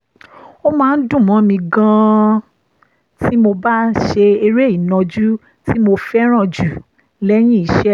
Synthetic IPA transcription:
o˦mãː˦˧n̩˦dũ˦˨mɔ̃˨˦mĩ˧ɡã˧ | ti˦mo˧ba˦ʃe˧e˧ɾe˦i˨nɔ̃˧d͡ʒu˦ | ti˦mo˧fɛ˦ɾ̃ã˦˨d͡ʒu˨ | lɛ˦j̃ĩ˦i˨˧ʃɛ˦

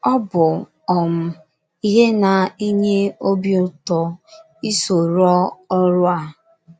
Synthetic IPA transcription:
ɔ˦bʊ˨ | ɔ˨m̩˦ | i˦ɦe˦na˨i˦ɲe˦o˦bjʊ˦tɔ˨ | i˦so˨ɾɔ˦ɔ˦ɾʊ˦a˨

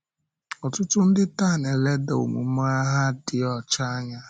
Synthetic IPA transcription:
ɔ˨tʊ˦tʊ˦n̩˦dɪ˦ta˦˨ne˨le˦da˨o̰˨mṵ˨m˦a˦ɦa˦dɪ˨ɔ˦˨t͡ʃa˦a˦ɲa˦

